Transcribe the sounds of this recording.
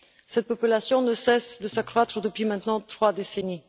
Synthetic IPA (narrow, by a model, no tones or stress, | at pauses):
sɛt̪̚pɔpylasjɔ̃nəsɛsd̪əsakχwat̪χəd̪əpɥimɛ̃t̪nɑ̃t̪χwad̪eseni